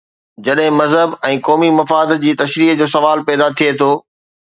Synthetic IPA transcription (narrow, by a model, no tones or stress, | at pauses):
d͡ʑɐɗɦɪ̃mɐzɦəbɛ̃ːkɔːmimɐfaːd̪d͡ʑiːt̪ɐʃɾiːɦd͡ʑoːsɐʋaːlpɛːd̪at̪ʰiet̪ʰoː